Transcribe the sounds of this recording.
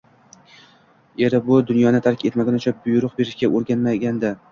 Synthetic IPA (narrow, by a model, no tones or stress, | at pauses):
e̞ɾɪbʊd̪ʊnjɒnɪt̪ʰaɾkʲʰe̞t̪maɡʲanʊt͡ʃʰabʊjʊɾʊq̚be̞ɾɪʃɡʲaʔoɾɡʲanmaɡʲand̪a